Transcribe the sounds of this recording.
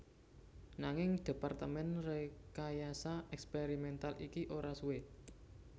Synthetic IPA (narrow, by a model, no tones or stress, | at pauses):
naŋɪŋd̪̥e̤part̪əmɛnrekajasaʔɛkspeɾimɛnt̪alikiʔoɾasuwe